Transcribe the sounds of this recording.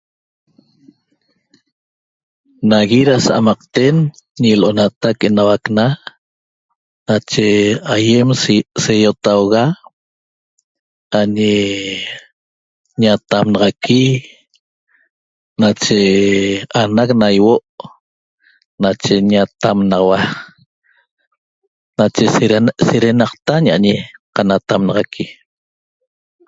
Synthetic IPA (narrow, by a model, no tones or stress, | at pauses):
naɣiɾasaʔa̰mɑq̚t̪en | ɲilʔonat̪akenawakna | nat͡ʃeajemsejot̪awɣa | aɲe | ɲat̪amnɑʁɑki | nat͡ʃe | anaknajwoʔ | nat͡ʃeɲat̪amnɑʁawa | nat͡ʃeseɾenɑqt̪aɲaʔaɲeqanat̪amnɑʁɑkʰi